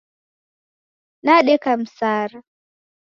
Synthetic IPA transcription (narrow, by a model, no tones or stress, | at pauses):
naɗɛkam̩saːɾ